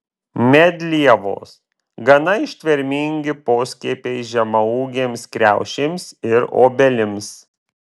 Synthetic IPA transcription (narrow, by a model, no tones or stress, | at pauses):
mʲɛd̪ʲlʲiɛʋo̰ːs | ɡɐnɐɪʃʲt̪ʲʋʲɛɾʲmʲɪŋʲɡʲɪpoːsʲkʲiːpʲeɪʒʲɛmɐuːɡʲeːmskɾʲæˑʊʃʲeːmsɪɾo̰ːbʲɛlʲɪms